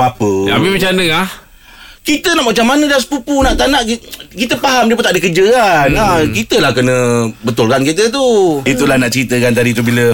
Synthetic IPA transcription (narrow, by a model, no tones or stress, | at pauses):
apəa̰mimat͡ʃanəah | kit̪ənaʔmat͡ʃamːanədaspupunaʔt̪anaʔkikit̪əpaɦamdipat̪aʔdəkəd͡ʒəanakit̪əlahkənə̃bət̪ʊlkankit̪̬ət̪̬uit̪ulahnaʔt͡ʃəɾit̪əkant̪adit̪ubilə